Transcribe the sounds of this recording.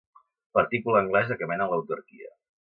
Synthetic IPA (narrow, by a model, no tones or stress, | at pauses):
pəɾt̪ikuləːŋɡlɛzəkəmɛnələwt̪uɾkḭə̰